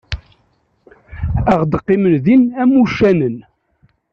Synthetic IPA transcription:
æʁd̪qːimənðinæmːuʃænən

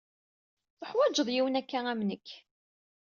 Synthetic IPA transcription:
θəħwæd͡ʒəðˤjiwənækːææmnəkː

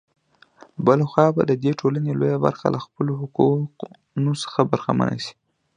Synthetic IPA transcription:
bəlaxwɑbad̪əd̪eʈʰolanelojaba̰ɾxa̰lʔaxpəloɦʊquq | nosə̥xabaɾxama̰nʔa̰ʃi̥

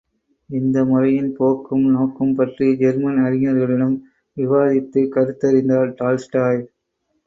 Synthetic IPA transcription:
ɪnd̪ɐmʊrɐjɪnpoːkːɯmnoːkːɯmpɐʈrid͡ʒɛɾmɐnɐɾɪŋɐɾɣɐɭɪɽɐm | ʋɪʋaːðɪt̪ːɯkɐɾɯt̪ːɐɾɪnd̪aːɾʈaːlsʈaːj

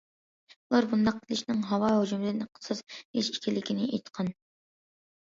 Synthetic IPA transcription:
ulˠɑɾbund̪ɑq̚t̪ʰlɪʃnɪŋɦɑwɑɦod͡ʒumɪd̪ɪnqʰə̥sɨzheʃi̥kʲʰilɪkʲʰinɪʔḛjt̪qʰɑn

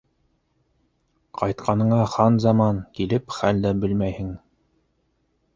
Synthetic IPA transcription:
qʰɑjt̪̚qʰɑnɤ̆ɴɑχɑnzɑmɑnkilɘpχæld̪æbɘlmæjhɘŋ

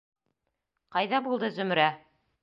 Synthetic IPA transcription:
qɑjðɑbulˠd̪ɤzɵ̆m̆ɾæ

